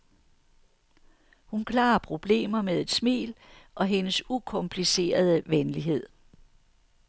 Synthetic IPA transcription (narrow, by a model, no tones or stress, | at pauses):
hunkʰlɑ̈ːpʰʁo̝b̥le̝̰ːmɐmeðˠe̝d̥smḭːl | ʔɒ̽ɦe̝nəsukʰɔ̽mpʰlise̝̰ːɐð̞ˠəʋenliɦe̝ð̞̰ˠ